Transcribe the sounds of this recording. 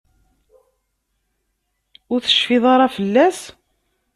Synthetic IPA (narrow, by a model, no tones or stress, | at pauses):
ʊɾθə̥ʃfɪðˤɑɾˤɑfəlːæs